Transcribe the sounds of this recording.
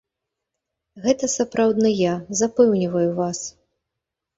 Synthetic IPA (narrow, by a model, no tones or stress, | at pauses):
ɣɛt̪ɐsapɾʔawd̪nɨjazapɛwnʲivɐjuvas